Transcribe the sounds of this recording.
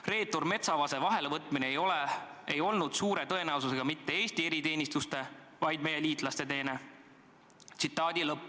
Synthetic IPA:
re̞ːt̪ːˑorme̞t̪sɑvɑse̞vɑɦe̞levɤt̪ːˑminejole | e̞jo̞lnud̪̥suːɾe̞t̪ɤe̞næwsuse̞ɡ̥ɑmit̪ːe̞e̞ːsʲt̪ie̞ɾit̪e̞ːnʲist̪ust̪e̞ | vɑjd̪̚me̞jːe̞liːt̪ˑlɑst̪e̞t̪e̞ːne̞ | t̪sit̪ːˑɑːd̪̥ilɤpː

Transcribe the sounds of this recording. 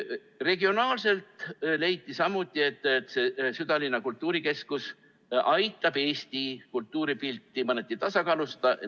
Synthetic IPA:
re̞ɡio̞nɑːlse̞lt̪le̞jt̪ːˑisɑmːut̪ˑːie̞t̪ːˑet̪ːˑse̞syd̪̥ɑlinːɑkult̪ˑːuːɾike̞skus | ɑjt̪ːˑɑb̥e̞ːst̪ikult̪ːˑuːɾipilt̪ːˑimɑnet̪ːit̪ɑsɑkɑːlust̪ɑ

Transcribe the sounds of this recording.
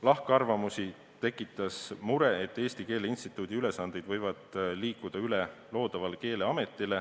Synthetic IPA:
lɑhkɑrvɑmusi | t̪e̞kːˑit̪ːˑɑsmuɾe̞et̪ːˑe̞ːst̪ike̞ːleinst̪it̪ːˑuːd̪̥iylesɑnd̪ejd̪̥vɤjvɑd̪̥liːkːˑud̪̥ɑylelo̞ːd̪̥ɑvɑlke̞ːle̞ɑme̞t̪ˑːile̞

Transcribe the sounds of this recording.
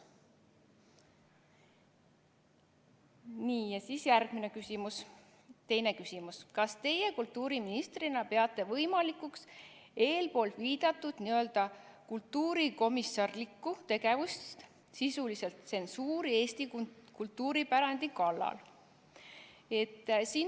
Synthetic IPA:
niːjɑsiːsjærɡ̥minekysimus | t̪e̞jne̞kysimuskɑst̪e̞je̞kult̪ːˑuːɾiminist̪rinɑpeɑt̪ːˑe̞vɤ̞jmɑlikukse̞ːlpo̞ːlt̪viːd̪̥ɑt̪ːˑud̪̥niø̞ld̪̥ɑ | kult̪ːuːɾiko̞misːɑrlikːut̪e̞ɡe̞vust̪st̪ | sisulise̞lt̪se̞nsuːɾie̞ːst̪ikult̪ːuːɾipæɾɑnd̪̥ikɑlːɑ̰l | e̞t̪ːsiː

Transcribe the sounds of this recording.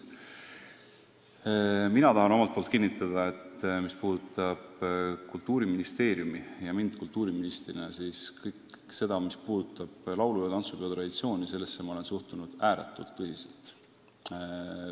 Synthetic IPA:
minɑt̪ɑɦɑno̞mɑlt̪̚poːlt̪kinːit̪ːˑɑd̪̥ɑe̞t̪mispuːd̪ut̪ːˑɑb̥kult̪ːuːɾiminist̪e̞ːɾjumijɑmind̪̥̚kult̪ːˑuːɾiminist̪rinesiːskɤjk | se̞d̪ɑmispuːd̪̥ut̪ˑːɑb̥lɑwlujɑt̪ɑnt̪supeot̪rɑd̪̥it̪sio̞ːnʲise̞lːe̞sːemɑo̞le̞nsuht̪unud̪̥æːɾet̪ːˑult̪ːɤsiselt̪

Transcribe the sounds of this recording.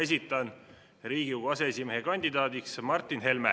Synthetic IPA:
es̬ʲit̪ːˑɑn | ɾiːɡ̥iukɑseesʲimeɦe̞kɑnʲd̪̥id̪ɑːd̪iksmɑrt̪ːˑinɦe̞lme

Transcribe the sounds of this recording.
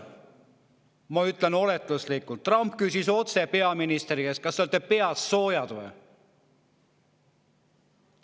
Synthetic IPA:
mɑyt̪ːˑleno̞let̪ːˑuslikːˑult̪ːrɑmpkysiso̞t̪se̞pe̞ɑminist̪ɾi̥eskɑst̪eolt̪ːˑepe̞ɑsso̞ːjɑd̪̥vḛ

